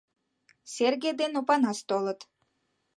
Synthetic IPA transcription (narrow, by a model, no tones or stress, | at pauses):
sʲerɡʲejd̪enopɑnɑst̪olˠɤ̆t̪